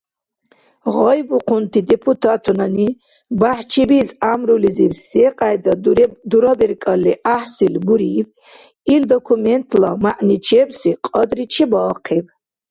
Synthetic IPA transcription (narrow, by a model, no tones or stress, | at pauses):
ʁɔjbuqʰunt̪ʰid̪ɛpʰut̪ʰat̪ʰɔnani | baħt͡ʃʰibizamɾuliziwsɛqʼajd̪ad̪uɾɔbɛɾkʼalːiʔahsilbuɾib | ild̪ɔkʰumɛnt̪ʰlamaʔnit͡ʃʰɛbsiqʼɔd̪ɾit͡ʃʰɛbɔːqʰib